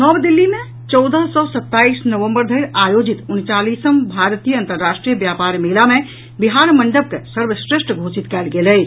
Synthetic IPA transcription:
nɔbd̪ilːime | t͡ʃɔwd̪əɦsɔsət̪ːaisnəʋəmbəɾd̪ʱəjɾajod͡ʒit̪unt͡ʃalisəmbʱaɾt̪ijəənt̪əɾːasʈɾijəbjapaɾmelame | biɦaɾməɳɖəb̚kesəɾbʱəsɾesʈəɡʱosit̪kɛlɡelɛj

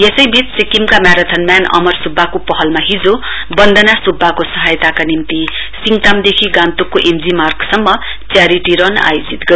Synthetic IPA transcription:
jesʌjbʱit͡ssikimkamjaɾat̪ʰʌnmanʌ̰mʌrsubʱːakopʌɦʌlmaɦid͡zo | bʌnd̪ʱʌnasubʱːakosʌɦajt̪akanimt̪i | siŋɡʈ̪amd̪ekʰiɡãnt̪ukːoʔemd͡zimarksʌmːʌ | t͡sjaɾiʈiɾʌna̰jod͡zit̪ɡʌ

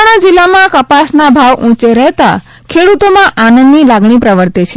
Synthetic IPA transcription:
ɽ̃ãd͡ʒilːamãkəpasnabʱaʋʔũt͡ʃeɾəɦt̪a | kʰeɽut̪omãʔanənd̪nilaɡɳipɾəʋəɾt̪et͡ʃʰe

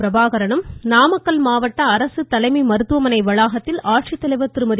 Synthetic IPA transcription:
ɾɐbaːɣɐɾɐɳɯmnaːmɐkːɐlmaːʋɐʈːɐɐɾɐsɯt̪ɐlɐɪmimɐɾɯt̪ːɯʋɐmɐnɐɪʋɐɭaːɣɐt̪ːɪlaːʈʂit̪ːɐlɐɪʋɐt̪ːɪɾɯmɐð

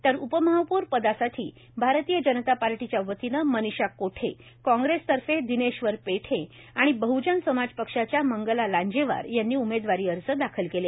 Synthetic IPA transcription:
t̪əɾupəməɦəpuɾpəd̪asat̪ʰiː | bʱaɾt̪ijəd͡ʑənət̪apaɾʈit͡ɕjaʋət̪inəməniɕakːoʈʰḛ | kɔ̃ŋɡɾest̪əɾfed̪ineɕʋəɾpeʈʰẽ | aɽ̃ibəɦud͡ʑansəmad͡zpəkʂat͡ɕjaməŋɡəlalaɲd͡ʑeʋa̰ɾjanːiːumed̪ʋaɾiːəɾsəːd̪akʰəlkele

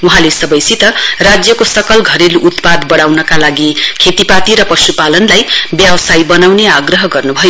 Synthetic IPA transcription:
uɦãlesʌbʌjsit̪ʌrad͡zjʌkosʌkʌlɡʱʌɾeluʔut̪pad̪bʌɽawnʌkalaɡikʰet̪ipat̪iɾʌpʌsupalʌnlajbjawsajbʌnawneaɡrʌɦʌɡʌrnubʱʌjo

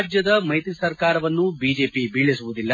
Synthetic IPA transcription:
d͡ʒjɐd̪ɐmɐjt̪isɐɾkaːɾɐʋɐnːubiːd͡ʒe̞ːpibiɭːisuʋud̪ilːɐ

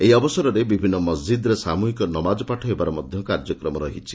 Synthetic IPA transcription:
eɦiɔbɔsɔɾɔɾebibʱinːɔmɔsd͡ʒid̪ɔɾesamuɦikɔnɔmad͡ʒɔpaʈʰɔɦebaɾɔmɔd̪ʱjɔkaɾd͡ʒɔkɾɔmɔɾɔɦit͡ʃʰi̥

